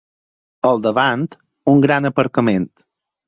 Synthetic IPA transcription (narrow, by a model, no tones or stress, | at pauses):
əlˠd̪əβant̪ | uŋɡɾanəpəɾkəment̪